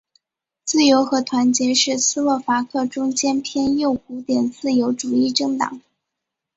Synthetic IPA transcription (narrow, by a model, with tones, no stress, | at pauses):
t͡sɹ̩˥˩jo˧˥ʊxɤ˧˥t̪ʰwa˧˥nt͡ɕjɛ˧˥ʂɻ̩˥˩sɹ̩˥wɔ˥˩fa˧˥kʰɤ˥˩ʈ͡ʂʊ˥ŋt͡ɕjɛ˥npʰjɛ˥njo˥˩ʊku˧˥t̪jɛ˨˩nt͡sɹ̩˥˩jo˧˥ʊʈ͡ʂu˨˩i˥˩ʈ͡ʂɤ˥˧ŋt̪ɑ̰˨˩˦ŋ